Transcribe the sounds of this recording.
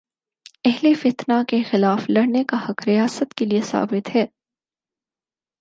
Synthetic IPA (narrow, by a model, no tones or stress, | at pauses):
ɛɦlefɪt̪nakexɪlaːflɐɽnekahɐkɾɪjaːsət̪keliesa̰ːbɪt̪hɛː